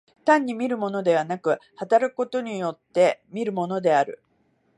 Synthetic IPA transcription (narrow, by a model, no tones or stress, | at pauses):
t̪ãɲ̟ːimʲiɾɯ̟mo̞no̞d̪e̞β̞anakɯ̟hat̪aɾakɯ̥ko̞t̪o̞ɲ̟ijo̞t̪ːe̞mʲiɾɯ̟mo̞no̞d̪e̞aɾɯ̟̰